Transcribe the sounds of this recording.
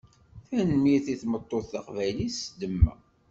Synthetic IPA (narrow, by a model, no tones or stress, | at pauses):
θænmiɾθiθmət̪ˤːoθːaqvæjlisəd̪ːəmːæ̰